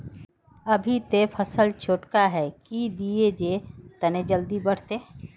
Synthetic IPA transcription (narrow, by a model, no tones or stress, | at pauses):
ɐbʱit̪epʰɐsəlt͡ʃʰoːʈkaɦɛːkid̪ied͡ʒet̪ɐned͡ʒəld̪ibɐɽ̤t̪eː